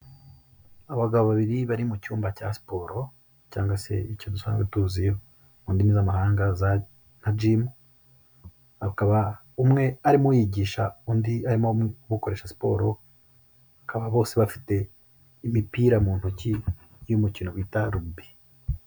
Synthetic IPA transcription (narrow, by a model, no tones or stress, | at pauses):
aβaɡaβoβaβiɾiβaɾimucuːmbaca̰si̥po̞ːɾo̞ | ca̰ːŋɡwase̞icodusa̰ːŋɡwetuːzijo | undinizamahaːŋɡaza | n̥ad͡ʒimu | akaβa | umŋe̞aɾimojiɟiːʃaundiaɾimo̞muβuko̞ɾe̞ːʃasi̥po̞ːɾo̞ | βakaβaβo̞ːse̞βafi̥te̞ | imipiːɾamuːn̥huci | jumucino̞βwiːtaɾubi̥